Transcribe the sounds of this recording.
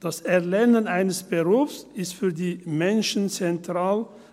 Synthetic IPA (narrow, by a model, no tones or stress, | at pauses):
d̥asɛɐlɛnənʔaɪnəsb̥əʁuːfsɪstfyːɐdiːmɛnʃn̩t͡sɛntʁ̥aːl